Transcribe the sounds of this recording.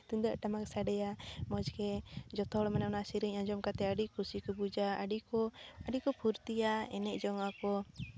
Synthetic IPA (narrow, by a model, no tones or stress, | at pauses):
t̪und̪əʔʈamaksaɖɛjamɔd͡ʒkɛd͡ʒɔt̪ɔlɔmananasiɾiɲaɲd͡ʒɔmkat̪ɛaɖikusikɔbud͡ʒa̰ːɖikɔaɖikɔpʰuɾt̪iaɛnɛʔd͡ʒɔŋakɔ